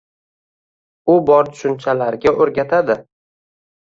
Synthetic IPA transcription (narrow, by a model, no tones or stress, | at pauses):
ʊbɒɾt̪ʰʊ̥ʃʊnt͡ʃʰalaɾɡʲaʔoɾɡʲat̪ʰad̪ɪ